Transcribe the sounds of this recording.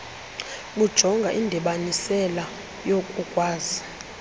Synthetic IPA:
ɓud̥ʒ̥ʱɔŋɡʱaʔindʱiɓanisɛla | jokʼukʼwaːzi

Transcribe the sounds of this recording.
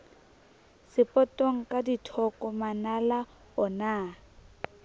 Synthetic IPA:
sɪpʼɔtʼoŋ̩kʼaditʰɔkʼɔmanala | ɔnaː

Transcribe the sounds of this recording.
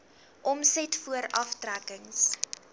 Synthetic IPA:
ʔɔmsɛtfuəɾɐftrækəŋs

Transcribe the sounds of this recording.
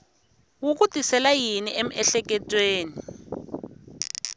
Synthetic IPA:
wuk̬utʼisɛlajiniʔem̩ɛɬɛk̬ɛtʼweːni

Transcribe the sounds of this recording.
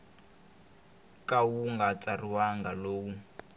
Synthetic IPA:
kawuŋɡat͡sariwaŋɡaloːwu

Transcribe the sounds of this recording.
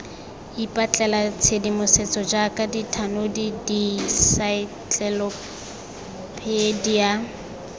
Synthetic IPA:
ipʼat͡ɬʼɛlat͡sʰedimʊset͡sʼɔd͡ʒakʼaditʰanodidisai | t͡ɬɛlɔ | pʰedia

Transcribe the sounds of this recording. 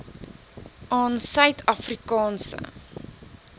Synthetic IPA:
ʔɑːnsœɥtʰɐfrikɑːnsə̰

